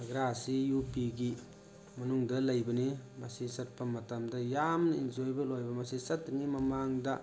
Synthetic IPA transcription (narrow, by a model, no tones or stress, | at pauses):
ɡɾasijupiɡi | mɐnuŋdɐlɐjbɐnimɐsisɐt̚pɐmɐtɐmdɐjamnɐind͡ʒojbɐlojbɐmɐsisɐtːɐŋimɐmaŋdɐ